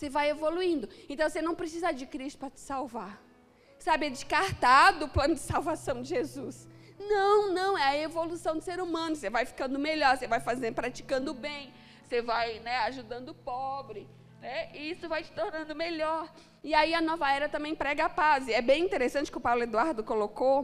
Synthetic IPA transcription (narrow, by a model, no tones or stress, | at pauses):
sevajevoluĩnd̪ʊẽnt̪ɐ̃w̃senɐ̃w̃pɾesizad͡ʒɪkɾist̪ʊ̥pɾɐt͡ʃɪ̥sawvaɾ | sabɪɛd͡ʒɪskaɾt̪ad̪ʊːplɐ̃nʊd͡ʒɪsawvasɐ̃w̃d͡ʒɪʒezusnɐ̃w̃nɐ̃w̃ɛɐevolusɐ̃w̃d̪ʊseɾumɐ̃nʊsevajfi̥kɐ̃nd̪ʊmeʎɔɾsevajfazẽpɾat͡ʃi̥kɐ̃nd̪ʊbẽj̃ | sevajnɛaʒud̪ɐ̃nd̪ʊpɔbɾɪ | nɛisʊvajt͡ʃɪ̥t̪oɾnɐ̃nd̪ʊmeʎɔɾ | ɪaiɐnɔvɐɛɾɐt̪ɐ̃mẽj̃pɾɛɡɐapazɪɛbẽj̃ĩt̪eɾesɐ̃nt͡ʃɪ̥kɪʊpawlʊed̪uaɾd̪ʊkoloko